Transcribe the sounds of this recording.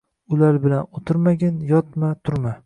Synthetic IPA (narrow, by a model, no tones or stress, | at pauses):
ʊlaɾbɪlanot̪ʰɪɾmaɡʲanjɒt̪̚mat̪ʰʊɾma